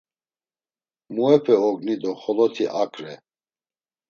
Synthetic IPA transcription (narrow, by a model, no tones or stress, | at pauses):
muɛpʰɛɔɡnid̪ɔχɔlɔt̪ʰiʔakʰʼɾɛ